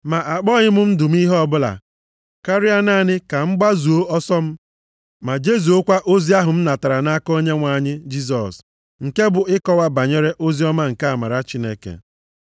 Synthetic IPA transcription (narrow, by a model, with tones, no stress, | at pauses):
ma˨ʔa˨k͡pɔ˦ɲɪ˦mʊ˦n̩˦dʊ˨m̩˦i˦ɦɔ˦bʊ˦la̰˨ | ka˦ɾɪ˦a˦na˦˨nɪ˦ka˨ŋ͡m̩˦ɡ͡ba˦zu˨o˦ɔ˦sɔ˦m̩˦ | ma˨d͡ʒe˦zu˨o˦kʷa˦ʔo˦zi˦a˦ɦʊ˨m̩˦na˨ta˨ɾa˨na˦ko˦ɲe˦ŋʷa˨˦˨ɲɪ˦d͡ʒi˦s̬ɔ̰˨s | ŋ̩˨ke˦bʊ˨ɪ˦kɔ˨wa˦ba˨ɲe˦ɾe˦ʔo˦zi˦ɔ˦ma˦ŋ̩˨ka˦a˨ma˨ɾa˨t͡ʃi˦ne˦kḛ˨